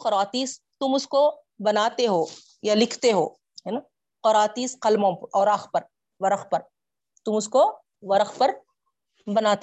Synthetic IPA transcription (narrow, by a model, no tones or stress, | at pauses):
qɐɾaːt̪iːs | t̪ʊmʊsko | bɐnaːt̪eɦoː | jalɪkʰt̪eɦoː | ɦɛna | qɔɾaːt̪iːsqɐlmõːpɐɾɔːɾaːxpɐɾ | ʋɐɾəxpɐɾ | t̪ʊmʊsko | ʋɐɾəxpɐɾ | bɐnaːt̪e